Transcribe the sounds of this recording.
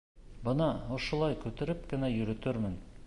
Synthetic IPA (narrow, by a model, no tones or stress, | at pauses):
bɤ̆nɑŏʃŏlˠɑjkʉt̪ɘ̆ɾɘp̚kɘ̆næjɵ̆ɾɵ̆t̪ɵɾmɘn